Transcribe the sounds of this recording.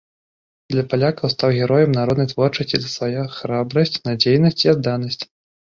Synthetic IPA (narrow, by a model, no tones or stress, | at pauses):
d̪lʲɐpalʲakɐwst̪awɣʲɛɾɔjɛmnaɾɔd̪nɐjt̪vɔrt͡ʂɐsʲt͡sʲizɐsvajaxɾabɾɐsʲt͡sʲnad͡zʲejnɐsʲt͡sʲiad̪ːanɐsʲt͡sʲ